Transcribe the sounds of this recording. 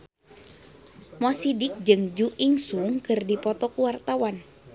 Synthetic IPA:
mɔsidɪk̚d͡ʒɨŋd͡ʒuʔiŋsuŋkɨrdipɔt̪ɔkuwart̪awan

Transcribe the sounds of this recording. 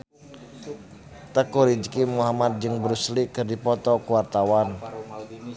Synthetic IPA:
t̪əkuɾid͡ʒkimuɦamat̪̚d͡ʒɨŋbəɾuslikɨrdipɔt̪ɔkuwart̪awan

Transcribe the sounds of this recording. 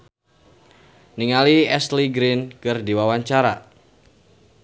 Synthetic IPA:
niŋaliɛsliɡɾɪnkɨrdiwawaɲt͡ʃaɾa

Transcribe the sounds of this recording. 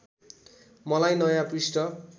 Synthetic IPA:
mʌlajnʌjãprisʈʌ

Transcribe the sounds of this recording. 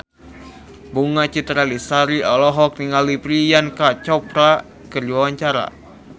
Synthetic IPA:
buŋat͡ʃit̪ɾalisaɾiɔlɔɦɔk̚niŋalipɾijankat͡ʃɔpɾa | kərd͡ʒwawaɲt͡ʃaɾa̰

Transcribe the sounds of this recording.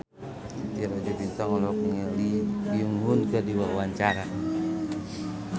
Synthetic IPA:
t̪iɾad͡ʒut̪int̪aŋɔlɔkŋɛliɡiuŋɦunkadiwaawaɲt͡ʃaɾa

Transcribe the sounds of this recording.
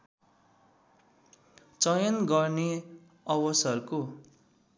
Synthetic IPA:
t͡sʌjʌnɡʌrne | ʌwʌsʌruko

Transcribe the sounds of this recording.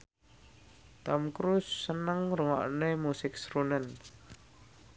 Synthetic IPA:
t̪amkɾusːənəŋɾəŋɔ̰ʔnemusɪksɾunən

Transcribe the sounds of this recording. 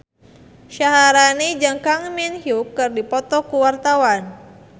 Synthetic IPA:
ʃaɦaɾanid͡ʒaŋkaŋminhjukːɨrdipɔt̪ɔkuwart̪awan

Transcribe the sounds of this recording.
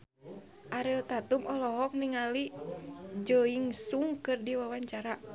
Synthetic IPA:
ʔaɾilt̪at̪umɔlɔɦɔk̚niŋali | d͡ʒoiŋsuŋkɨrdiwawaɲt͡ʃaɾa

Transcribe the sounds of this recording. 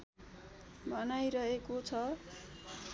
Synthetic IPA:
bʱʌnajɾʌɦekot͡sʰʌ

